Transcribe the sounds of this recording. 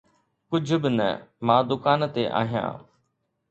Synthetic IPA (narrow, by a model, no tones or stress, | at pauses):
kʊd͡ʒʱʊbɪnə̰mãːd̪ʊkaːnt̪eʔa̰ːɦijã̰ː